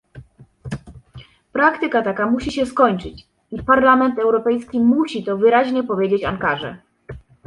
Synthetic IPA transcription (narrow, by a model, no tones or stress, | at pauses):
pɾakt̪ɘkat̪akamuɕiɕɛskɔɲt͡ʂɘt͡ɕ | ipaɾlamɛnt̪ɛwɾɔpɛjskʲimuɕit̪ɔvɘɾaʑɲɛpɔvʲjed͡ʑet͡ɕankaʐɛ̰